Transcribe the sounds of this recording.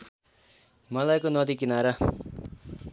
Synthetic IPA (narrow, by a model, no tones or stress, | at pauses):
mʌlajkonʌd̪ikinaɾʌ